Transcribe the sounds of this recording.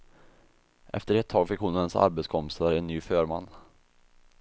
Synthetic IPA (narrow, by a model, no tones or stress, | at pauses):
ʔɛ̰ft̪əɾɛt̪ʰːɑːɡfɪkːhʊnɛnsa̰ɾbɛt̪skʰɔmpɪ̥saɾɛnːyːfœːɾmanː